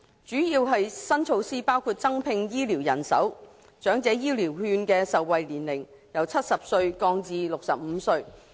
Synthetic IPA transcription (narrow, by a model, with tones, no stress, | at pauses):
t͡ʃyː˨˥jiː˧wɦɐ˨jsɐ˥nt͡ʃʰo˧wsiː˥paː˥wkʰuː˧t̚t͡sɐ˥ŋpʰɪ˧ŋjiː˥liː˨˩wjɐ˨˩nsɐ̰˨˥w | t͡ʃœː˨˥ŋt͡sɛː˨˥jiː˥liː˨˩whyː˧nkɛː˧sɐ˨wːɐ˨jliː˨˩nlɪ˨˩ŋ | jɐ˨˩wt͡sʰɐ˥t̚sɐ˨p̚sɵ˧ɥkɔː˧ŋt͡siː˨˧lʊ˨k̚sɐ˨p̚m̩ː˨˧sɵ˧ɥ